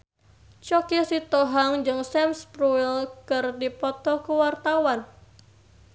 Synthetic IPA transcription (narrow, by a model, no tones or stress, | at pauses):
t͡ʃɔkisit̪ɔɦaŋd͡ʒɨŋsɛmspɾuilkɨrdipɔt̪ɔkuwart̪awan